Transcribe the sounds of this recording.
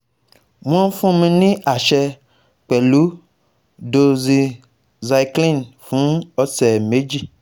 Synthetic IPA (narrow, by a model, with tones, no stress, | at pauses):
m˦ɔ̃˦fũ˦mĩ˧nĩ˦ʔa˨ʃɛ˧ | k͡pɛ˨lu˨˦ | do˧zi˨ | za˨i˨klĩ˦˨nfũ˦ɔ˦sɛ˨me˨˦d͡ʒi˦